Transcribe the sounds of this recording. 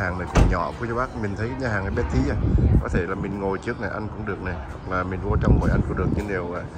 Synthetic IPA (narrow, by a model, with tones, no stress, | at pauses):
aː˨˩ŋnə˨˩kʊ̰˧˩ŋ͡mɲɔ̰˧˩˨ku˧˩˦ət͡ɕɔ˧˦ɓaː˦˥k̚mi˨˩t̪ʰə˦kaː˨˦jɲaː˧haː˨˩ŋnaː˨˩ɓɛ˨˦˥t̪i˨˦ʔaː˨kɔ˨˦t̪ʰe˧˩laː˨˩mï˨˩ŋ̟ŋo˨˩jt͡ɕɨ˦˥ək̚na˨˩jʔa˧ŋ̟kʊ̰˧˥ŋ͡mɗɨ˨˩ək̚na˨˩jhwa˨˩k̚laː˨˩mi˨˩ŋ̟vu˧t͡ɕɔ˧wŋ͡mŋo̰˨˩jʔa˧jŋkʊ˧˥ŋ͡mɗɨ˨˩ək̚ɲɨ̰˧˥ŋɗe˨˩əwaː˨˩